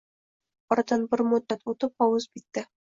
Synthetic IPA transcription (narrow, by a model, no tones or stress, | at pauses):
ɒɾt̪ɑnbɘ̆ɾmod̪ːat̪ut̪ɤp̚ɒwɤzbit̪ːɘ